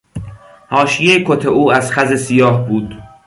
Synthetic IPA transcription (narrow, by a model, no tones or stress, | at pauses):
hɒːʃijejekʰot̪ʰeʔuːæzxæzesijɒːhbuːd̪